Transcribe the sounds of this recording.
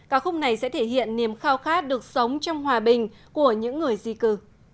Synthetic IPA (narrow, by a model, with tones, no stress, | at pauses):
kaː˦˥k̚xʊ˧ŋ͡m̚na˨˩jsɛ̰˧˥t̪ʰe˧˩hḭ˧˨ənːi˨˩əmxaː˧wxaː˦˥t̚ɗɨ˨˩ək̚sə˨˦wŋ͡mt͡ɕɔ˧wŋ͡mhwaː˨˩ɓï˨˩ŋ̟ | ku˧˩əɲɨ̰˧˥ŋːɨ˨˩əjzi˨˩kɨ˨˩